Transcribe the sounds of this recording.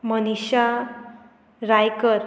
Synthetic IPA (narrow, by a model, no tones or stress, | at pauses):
məniɕa | ɾajkəɾ